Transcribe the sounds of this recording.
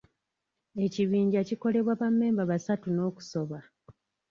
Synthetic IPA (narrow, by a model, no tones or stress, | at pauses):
e̞ciβiːɲɟaciko̞le̞βwaβamːe̞ːmbaβasatuno̞ːku̥so̞βa